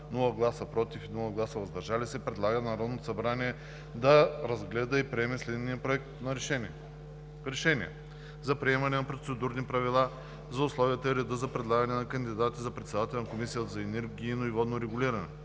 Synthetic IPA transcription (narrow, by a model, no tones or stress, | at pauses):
nulˠəɡlˠasəpɾɔt̪ifinulˠəɡlˠasəvɐzd̪ɐɾʒalisɛpɾɛd̪lˠaɡənɐɾɔd̪not̪o̥sɐbɾaniɛ | d̪ɐɾɐzɡlɛd̪əipɾiɛmɛslɛd̪nijəpɾoɛk̚t̪nɐ | ɾɛʃɛniɛ̰ | zɐpɾiɛmɐnɛnɐpɾot̪sɛd̪uɾnipɾɐvilˠa | zɐʊslˠɔvijət̪əiɾɛd̪əzɐpɾɛd̪lˠaɡɐnɛnɐkɐnd̪id̪at̪izɐpɾɛt̪sɛd̪at̪ɛlnɐkomisijət̪əzɐɛnɛɾɡinoivɔd̪noɾɛɡʊliɾɐnɛ